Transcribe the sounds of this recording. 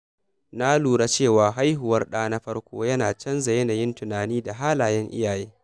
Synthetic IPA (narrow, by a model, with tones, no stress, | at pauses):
na˦luː˨ɽa˦t͡ʃeː˦˨waː˨ɦa˦jɦʊ˨wɐ˦rɗaː˦na˦ɸɐ˦rkʷʰo̰ː˦jɐ˦naː˨t͡ʃɐ˦nza˨jɐ˦na˨jɪ˦ntʊ˨naː˨niː˦da˨ɦaː˦laː˨jɛ˦ŋʔɪ̰˦jaː˨jeː˦